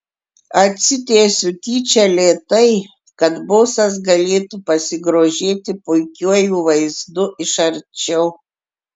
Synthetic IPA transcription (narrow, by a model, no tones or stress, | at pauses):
ɐt̪ʲsʲɪt̪ʲeːsʲʊt̪ʲiːt͡ʃʲɛlʲeːt̪ɐɪ | kɐt̪boːsɐs̬ɡɐlʲeːt̪upɐsʲɪɡɾoːʒʲeːt̪ʲɪpʊɪkʲuɔjuːʋɐɪzd̪ʊɪʃɐɾʲt͡ʃʲɛʊ